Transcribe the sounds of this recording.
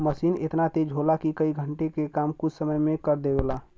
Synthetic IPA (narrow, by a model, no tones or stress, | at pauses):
məsinḛt̪nat̪ed͡ʒʱɦolakikəiɡʱəɳʈekekamkut͡ʃʰsəməjmekəɾd̪ebela